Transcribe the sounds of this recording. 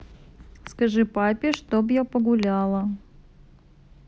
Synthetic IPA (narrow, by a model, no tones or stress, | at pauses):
skɐʐɨpapʲɪʂt̪objapəɡʊlʲalˠə